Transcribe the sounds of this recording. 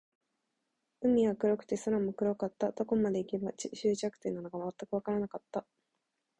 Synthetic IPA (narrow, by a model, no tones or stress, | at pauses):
ɯ̟mʲːiɡakɯ̟ɾo̞kɯ̟̥t̪e̞saɾamokɯ̟ɾo̞kat̪ːad̪o̞ko̞mad̪e̞ike̞bat͡ɕɕɨːt͡ɕakɯ̥t̪e̞nːano̞ɡamat̪ːakɯ̟β̞akaɾanakat̪ːa